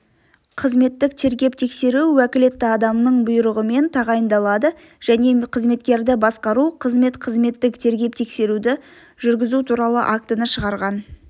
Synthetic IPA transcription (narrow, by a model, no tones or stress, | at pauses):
qʰəzme̞t̪ːɪk̚t̪ʰe̞ɾɡʲe̞p̚t̪ʰe̞kse̞ɾuwækʲɪle̞t̪ːɪɑd̪ɑmnəɴbʊjɾəʁəme̞nt̪ʰɑʁɑjənd̪ɑlˠɑd̪ə | ʒ̥æne̞qʰəzme̞t̪kʲe̞ɾd̪ɪbɑsqɑɾuqʰəzme̞t̪qʰəzme̞t̪ːɪkt̪ʰe̞ɾɡʲe̞p̚t̪ʰe̞kse̞ɾud̪ɪ | ʒʏɾɡʲɪzut̪ʰuɾɑlˠə̰ʔak̚t̪ənəʃəʁɑɾʁɑn